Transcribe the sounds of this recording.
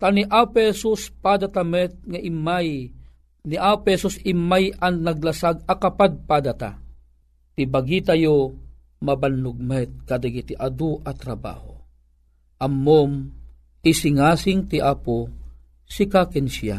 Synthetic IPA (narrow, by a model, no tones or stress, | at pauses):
t̪aniʔaphɛsuspad̪at̪amɛt̪̚ŋaʔimaj | niʔaphɛsusɪmːajanːaɡ̚lasaɡakapad̪̚pad̪at̪a̰ | t̪ibaɡit̪ajo | mabanːuɡ̚mɛt̪̚kad̪aɡit̪iʔad̪uʔat̪ɾaba̰ːho | ʔamːom | isɪŋaːsɪŋt̪iʔaːpo | sikakɛnsia̰